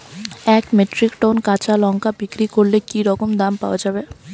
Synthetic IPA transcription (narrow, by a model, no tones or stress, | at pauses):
ɛkmeʈɾikʈonkat͡ʃalɔŋkabikɾikoɾlekiɾɔkomd̪ampawad͡ʒabe